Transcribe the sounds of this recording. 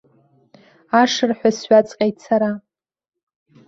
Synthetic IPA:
aʂɨrħʷᶣasɥᶣat͡sʼqʲʼajtt͡sʰaɾa

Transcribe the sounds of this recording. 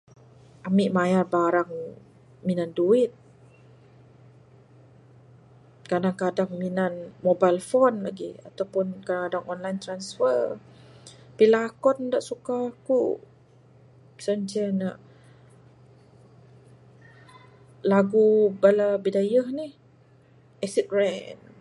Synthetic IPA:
ʔamiʔmajarbaɾaŋ | minanduɪt̪̚ | kadaŋkadaŋminanmobajlfɔnlaɡḭa̰t̪awpʊnkadaŋkadaŋɔnlajnt̪ɾansfər | pilaːkɔndaʔsukaːku | sənt͡ʃɛna̰ʔ | laɡubalabidajəhnih | ʔɛsit̪̚ɹɛn

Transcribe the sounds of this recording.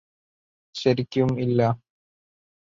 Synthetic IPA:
ɕɐɾikʲːumilːɐ

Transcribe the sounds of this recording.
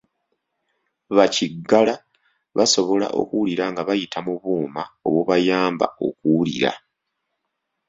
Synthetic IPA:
βaciɡːala | βaso̞βo̞la̰ʔo̞̰kuliɾaŋɡaβajitʰamuβuːmao̞βwoβajaːmba̰o̞̰kulḭɾa̰

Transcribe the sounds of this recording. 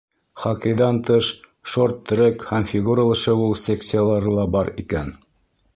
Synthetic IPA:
χɑqɤ̆jðɑnt̪ɤʃ | ʃoɾt̪ʰːɵ̆ɾɘkhæmfʲiɡuɾəlˠɤ̆ʃɤulˠsʲeksʲɪjalˠɑɾɤlˠɑbɑɾikæn

